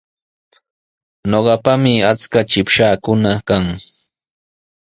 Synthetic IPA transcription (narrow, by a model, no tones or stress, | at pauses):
noɢɑpamɪat͡skat͡ʃɪpʃaːkʊnakaŋ